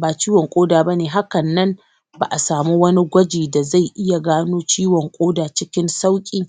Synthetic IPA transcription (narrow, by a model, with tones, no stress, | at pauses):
baː˨t͡ʃiː˦wɔ˨ŋkʷʼoː˦daː˨bɐ˦neː˨ɦa˦kɐ˨nːɐ˦m | ba˨ʔa˨saː˨mu˦wɐ˦ni˦ɡʷɐ˦d͡ʒiː˨da˨za˦˨jʔɪ˦ja˨ɡaː˦noː˦t͡ʃiː˦wɔ˨ŋkʷʼoː˦daː˨t͡ʃɪ˦kʲɪ˦nsa˦wkʲʼiː˨